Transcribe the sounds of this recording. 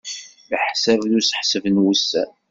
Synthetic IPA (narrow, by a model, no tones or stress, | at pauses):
ləħsævðusə̥ħsəvənwusːæ